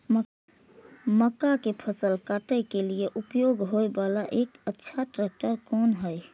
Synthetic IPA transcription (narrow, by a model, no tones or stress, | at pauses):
məkakepʰəsəlkaʈəjkelieʔupjoɡɦojbalaʔekətːʃʰaʈɾɛk̚ʈəɾkɔnɦəj